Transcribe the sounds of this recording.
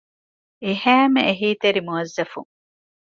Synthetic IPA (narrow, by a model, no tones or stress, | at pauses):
eɦæːmeeɦiːt̪eɾimuɐzːɐfṵŋ